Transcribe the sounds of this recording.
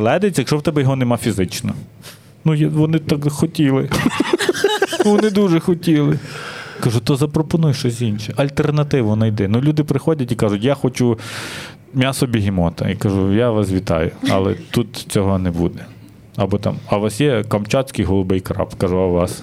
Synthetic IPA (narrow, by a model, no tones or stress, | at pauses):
lˠɛd̪ɐjet͡sʲɐjɐkʃɔwt̪ɛbɛjɔɦɔnɛmɑfʲizɪt͡ʃnɐ | nujʋɔnɪt̪ɑkxɔtʲilˠɪ | nʋɔnɪd̪uʒɛxɔtʲilˠɪkɐʒut̪ɔzɐpɾɔpɔnujʃt͡ʃɔsʲinʃɛɐlʲt̪ernɐt̪ɪʋʊnɐjd̪ɛnulʲud̪ɪpɾɪxɔdʲɐtʲikɑʒʊtʲjaxɔt͡ʃu | mʲasɔbʲiɦʲimɔt̪ɐ̰ikɐʒujaʋɑsʋʲit̪ɑ̰jʊɐ̰lˠɛ̰t̪ut̪t͡sʲɔɦɔnɛbṵd̪ɛ | ɐbɔt̪ɑ̰mɐʋɑsjɛkɐmt͡ʃɑt͡sʲkɪjɦɔlˠʊbɪjkɾɑ̰pkɐʒuɐʋɑs